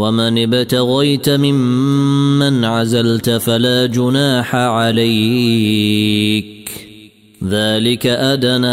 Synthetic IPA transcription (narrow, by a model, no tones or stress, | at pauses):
wamanɪbɪt̪aɣajt̪amɪmː | anʕazalt̪falaːd͡ʒʊnaːħaʕalaj | k | ðaːlɪkaʔad̪ana